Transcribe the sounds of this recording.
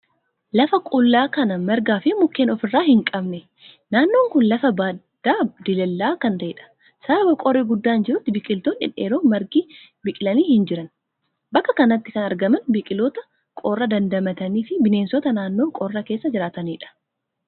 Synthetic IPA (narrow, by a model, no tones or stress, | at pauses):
lɐfɐkʼʊlːaːkɐnɐmɛɾɡaːfɪmʊkːeːnɔfɪrːaːhɪŋkʼɐbnɛ | naːnːo̞ːŋkʊnlɐfɐbaːdd̪̥ːaːd̪ɪlɛlːaːkɐnt̪ɐʔɪᶑɐ̥ | sɐbɐkʼɔreɡʊd̪ːaːnd͡ʒɪɾʊt̪ːɪbɪkʼɪlt̪oːnɪ̰nḛːɾoːmɐɾɡiː | bɪkʼɪlɐniːhɪnd͡ʒɪɾɐn | bɐkːɐkɐnɐt̪ːɪkɐnɐɾɡɐmɐnbɪkʼɪloːt̪ɐ | kʼoːrːɐd̪ɐnd̪ɐmɐt̪ɐniːfɪbɪne̞ːnsɔt̪ɐnaːnːo̞ːŋkʼɔːrːɐke̞ːsːɐd͡ʒɪɾaːt̪ɐniːᶑɐ̥